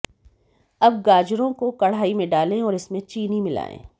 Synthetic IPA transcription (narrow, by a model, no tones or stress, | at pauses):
ɐb̚ɡaːd͡ʒɾõkokɐɽ̤aːimẽɖaːlẽɔːɾɪsmẽt͡ʃiːnimɪla̰ːḛ̃ː